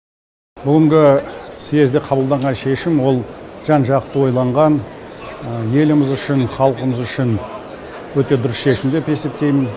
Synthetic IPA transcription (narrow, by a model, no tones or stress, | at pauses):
bʏɡʲɪŋɡʲɪsie̞zd̪eqʰɑbəlˠd̪ɑɴʁɑnʃe̞ʃɪmwo̞lˠʒ̥ɑnʒɑqt̪ːəwo̞jlˠɑɴʁɑnəje̞lɪmɪzʏʃɪnχɑlˠqəməzʏʃɪn | wɵt̪e̞d̪ʊɾɪsʃe̞ʃɪmd̪e̞pe̞se̞p̚t̪e̞jmɪn